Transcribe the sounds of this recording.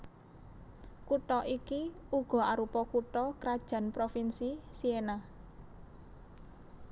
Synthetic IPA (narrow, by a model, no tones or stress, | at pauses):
kuʈɔʔikiuɡ̥ɔ̤aɾupɔkuʈɔkɾad̥ʒ̥ä̤npɾofinsisiena